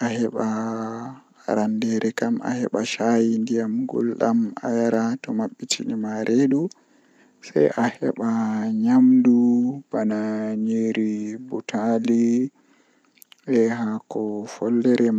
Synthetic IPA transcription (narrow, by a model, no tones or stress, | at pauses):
ʔahɛɓa | ɾandɛɾɛkama̰hɛ̰ɓaʃajindijamɡɔ̰lɗama̰jaɾatɔmaɓːitʰinimaɾʔeɗu | sajahɛɓaɲamdub̥anaɲeɾibutʰali | ʔɛɦakɔfɔldɛɾʔɛ